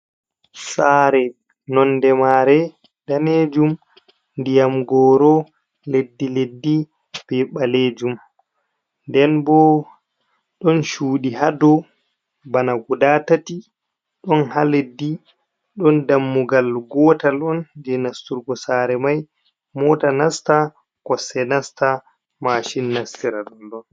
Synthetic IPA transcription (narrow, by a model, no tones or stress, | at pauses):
saɾɛ | nɔndɛmaːɾɛ | d̥aned͡ʒum | ndijamɡɔːɾɔ | ledːiledːi | b̥ɛɓaleːd͡ʒum | ndɛnbɔ | ɗɔnʃuːɗiɦadɔ | banaɡudatati | ɗɔnhaledːi | ɗɔndamːuɡalɡɔtalɔnd͡ʒɛnastuɾɡɔsaːɾɛmaj | mɔtanasta | kɔsɛnasta | maːʃinːastiɾaɗɔnɗɔn